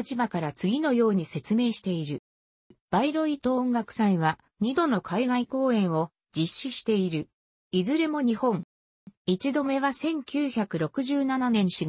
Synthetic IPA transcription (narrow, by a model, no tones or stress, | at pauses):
t͡ɕibakaɾat͡sɨɡʲino̞jo̞ːɲ̟ise̞t͡sɨme̞ːɕi̥t̪e̞iɾɯ̟ | b̥aiɾo̞it̪õŋɡakɯ̟̥sãĩβa | ɲ̟id̪o̞no̞kʰaiɡaiko̞ːẽ̞ɰ̃o̞ | d͡ʑiɕːiɕi̥t̪e̞iɾɯ̟ | izɨɾe̞mo̞ɲ̟ihõ̞ŋ | it͡ɕid̪o̞me̞βasẽ̞ŋkʲɨːçakɯ̟ɾo̞kɯ̟ʑɨːnananẽ̞ɰ̃ɕi